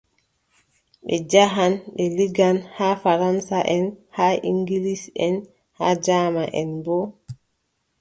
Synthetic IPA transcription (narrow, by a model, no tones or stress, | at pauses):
ɓɛd͡ʒaɦanɓɛliɡanhaːfaɾansaʔɛnhaʔiŋɡilisɛn | haːd͡ʒaːmaʔɛ̰nbɔ